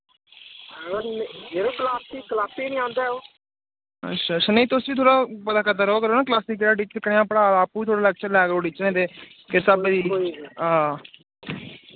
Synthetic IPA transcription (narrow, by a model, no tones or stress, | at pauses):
əɡəɾnɦeɾokəlaːsiːklaːsiːnĩːãːnd̪aːoː | ə̰tʃʰaːʃʰaːneit̪osiːt̪ʰoːɽaːpət̪aːkʰət̪əɾoːkəɾoːnaːk̬laːsiːkːɾaːɖiːt͡ʃkənːãːpəɽaːlaːpːuːiːt̪ʰoːɽaːlɛːɡt͡ʃəɾlɛːkoːɖiːt͡ʃnẽːt̪eː | kɪɾsaːbed̪iːɦãː